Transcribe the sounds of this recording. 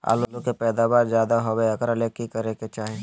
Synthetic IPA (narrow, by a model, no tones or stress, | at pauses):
a̰ːlolokepɛːd̪aːbaːɾzjaːd̪aɦoʋeɐkəɾɐlekːikɐɾeket͡ʃaːɦẽ